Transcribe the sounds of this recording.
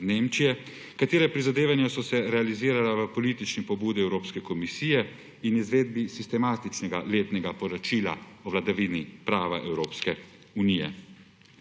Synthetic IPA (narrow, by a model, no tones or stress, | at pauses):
neːmt͡ʃijɛ | kat̪eːɾɛpɾizad̪eːʋanjɔsɔsɛɾɛaliziːɾalaʋəpɔlit̪it͡ʃnipɔbuːd̪iɛwɾoːpskɛkɔmisiːjɛ | inizʋeːd̪̚bisist̪ɛmat̪it͡ʃnɛɡaleːt̪nɛɡapɔɾɔt͡ʃiːla̰ɔʋlad̪aʋinipɾaːʋa̰ʔɛwɾoːpskɛ | unijɛ̰